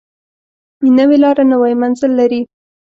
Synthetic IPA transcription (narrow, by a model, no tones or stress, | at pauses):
nəwelɑɾanəwajmanzəlːaɾi